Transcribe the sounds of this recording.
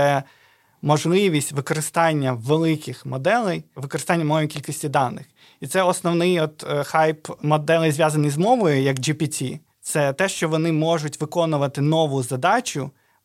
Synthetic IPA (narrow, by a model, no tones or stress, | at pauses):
ɛ | mɔʒlˠɪʋʲisʲtʲʋɪkɔɾɪst̪ɑnʲːɐʋelˠɪkɪxmɔd̪ɛlˠɛjʋɪkɔɾɪst̪ɑnʲːɐmɔlˠɛʋʲikʲilʲkisʲtʲid̪ɑnːɪx | it̪sɛɔsnɔʋnɪjɔt̪xɑjpmɔd̪ɛlˠɪjzʋʲjɑzɐnɪjzmɔʋɔjʊjɐkd͡ʒipʲitʲi | t̪sɛt̪ɛʃt͡ʃɔʋɔnɪmɔʒʊtʲʋɪkɔnʊʋɐt̪ɪnɔʋʊzɐd̪ɑt͡ʃʲʊ